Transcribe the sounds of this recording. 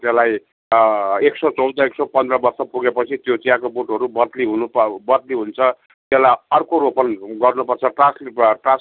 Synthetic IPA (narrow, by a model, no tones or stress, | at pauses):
t̪elaj | eksʌt͡sʌwd̪ʌeksʌpʌnd̪rʌbʌrsʌpuɡepʌt͡sʰit̪jot͡sijakoboʈʌɾubʌd̪liɦunupbʌd̪liɦunt͡sʰʌ | t̪elajʌrkoɾopʌnɡʌrnupʌrt͡sʰʌʈrasʈra